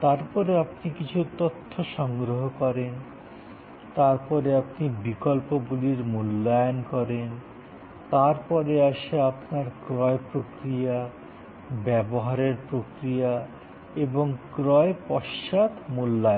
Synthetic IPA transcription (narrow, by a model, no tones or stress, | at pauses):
t̪aɾpɔɾeapnikit͡ɕʰut̪ot̪ʰːoʃɔŋɡɾoɦokɔɾen | t̪aɾpɔɾeapnibikolpobuliɾmulːajonkɔɾen | t̪aɾpɔɾeaʃeapnaɾkɾɔepɾokɾia | bɛboɦaɾeɾpɾokɾija | eboŋkɾɔepɔɾʃad̪mulːaj